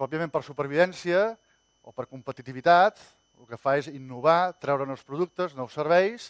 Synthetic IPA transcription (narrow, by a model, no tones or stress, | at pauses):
pɾɔpiəmẽmpəɾsupəɾβiðɛnsiə | o̰pəɾkumpət̪it̪iβit̪at̪ | lukəfaezinːuβ̞at̪ɾɛwɾənɔwspɾuðuk̚t̪əznɔwsːəɾβɛjs